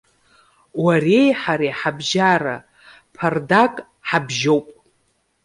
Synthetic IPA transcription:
warejħaɾejħabʒaɾa | pʰardakʼ | ħabʒo̞wpʼ

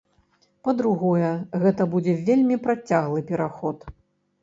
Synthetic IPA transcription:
pɐd̪ɾuɣɔjɛɣɛt̪ɐbud͡zʲɛvʲelʲmʲipɾat͡sʲːaɣlˠɨpʲɛɾaxɔt̪

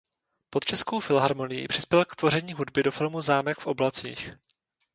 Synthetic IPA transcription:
pot̪t͡ʃɛsko̞wfɪlɦaɾmo̞nɪjḭpr̝̥ɪspjɛlkt̪vo̞r̝ɛɲiːɦudbɪdo̞fɪlmuzaːmɛkfʔo̞blat͡sḭːx

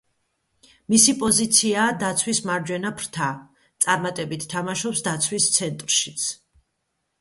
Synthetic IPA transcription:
misipʼɔzit̪sʰiaːd̪at̪sʰwismaɾd͡ʒwɛnapʰɾt̪ʰa | t̪sʼaɾmat̪ʼɛbit̪ʰːamaʃɔpsd̪at̪sʰwist̪sʰɛnt̪ʼɾʃit̪sʰ

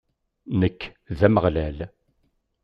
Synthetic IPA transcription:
nəkː | ðæməʁlæl

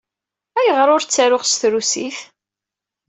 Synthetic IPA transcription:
æjəʁɾʊɾt͡sːæɾʊʁsθɾusiθ

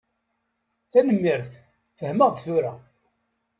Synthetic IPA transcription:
θænəmːiɾθ | θəhməʁd̪θuɾæ

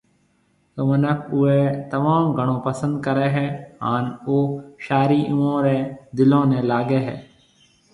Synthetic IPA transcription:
kəmənəkʰʊɦet̪ɐmaːmɡʱəɽ̃õːpəsə̃nd̪̚kəɾeɦɛːɦaːnoːʃaːɾiːʔʊõːɾẽd̪ɪlõːnẽlaːɡeɦɛ̰ː

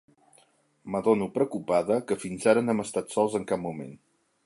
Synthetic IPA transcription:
məðonupɾəkupaðəkəfinzaɾənɛməst̪at̪sɔlˠzəŋkap̚mumḛn

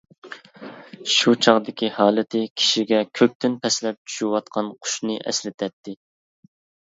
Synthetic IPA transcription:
ʃut͡ʃʰɑʁd̪ɪkʲihɑːlˠɪt̪ʰɪkʲʰi̥ʃiɡʲɛkʲʰøk̚ʲt̪ʰynpʰɛslɛp̚t͡ʃʰy̥ʃiwɑt̪̚qʰɑnqʰʊ̥ʃnɨʔɛ̰slɪt̪ʰɛt̪ʰːɪ

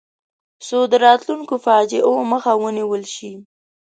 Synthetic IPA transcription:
sod̪əɾɑt̪luŋkofɑd͡ʒeʔoməxawəniwəlʃi

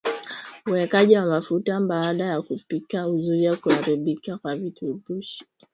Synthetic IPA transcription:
uɛkaʄiwamafutambaɗajakupikauzuɾiakuhaɾiɓikakwavitupuʃi̥

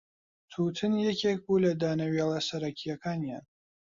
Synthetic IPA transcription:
t̪ʰuːtʰɨnjɛkʲʰek̚bulɐd̪aːnɐɥelˠɐsɐɾɐkʲʰijɐkʰaːnijan

